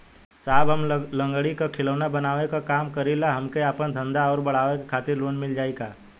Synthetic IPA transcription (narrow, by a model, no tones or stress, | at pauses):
saːbɦəmlə̃ŋɡəɽikakʰɪləʋnabɐnaːʋekakaːmkəɾilaɦɐmkeaːpənd̪ʱə̃nd̪aɔːɾbɐɽ̤aːʋekekʰaːt̪ɪɾloːnmɪld͡ʒaːeɡaː